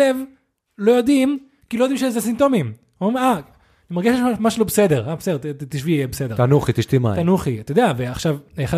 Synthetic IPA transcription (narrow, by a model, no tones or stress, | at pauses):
ev | lo̞jo̞d̪im | kilojodimʃezesimt̪o̞mim | ea | nimaʁɡeʃetamaʃelobesed̪e̞ʁabesedet̪t̪iʃvijɛbesed̪eanuχit̪iʃt̪ima̰t̪anuχiat̪ajod̪eaveaχʃavχa